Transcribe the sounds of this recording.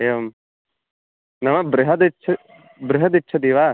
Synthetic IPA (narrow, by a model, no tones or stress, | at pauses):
eːʋɐm | nɐmɐbɾɪɦɐd̪itːt͡ʃʰɐ | bɾɪɦɐd̪itːt͡ʃʰɐd̪iːʋaː